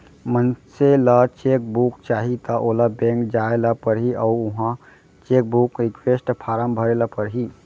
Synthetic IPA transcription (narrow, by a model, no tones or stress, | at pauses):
mənselat͡ʃek̚bukt͡ʃaɦit̪əʔolabẽŋkd͡ʒaelapəɾɦiʔauuɦã | t͡ʃek̚bukɾikʋesʈpʰaɾəmbʱəɾelapəɾɦi